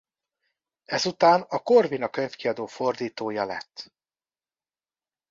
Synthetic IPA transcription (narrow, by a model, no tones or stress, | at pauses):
ɛzut̪aːnɒko̞rvinɒkøɲfkiɒd̪oːfo̞rd̪iːt̪oːjɒlɛ̰t̪ː